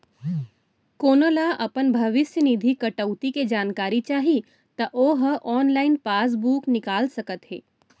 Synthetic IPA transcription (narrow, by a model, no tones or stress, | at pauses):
koːnolaʔɐpənbʱɐʋɪsjənɪd̪ʱikɐʈəʊt̪iked͡ʒaːnkaːɾit͡ʃaːɦi | t̪ɐʔoːɦəʔɔːnlaːɪnpaːs̬buːknɪkaːlsɐkət̪ɦɛ̰ː